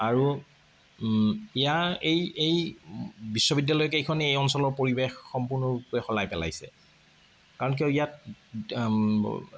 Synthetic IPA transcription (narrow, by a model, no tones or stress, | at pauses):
aɹu | ɛjaejej | bisːɔbidjalɔjɔkejkʰɔnɛejɔnsɔlɔɹpoɹibexːɔmpʊɹnɔpɛxɔlajpɛla̰jsɛ̰ | kaɹɔnk̬eijat̚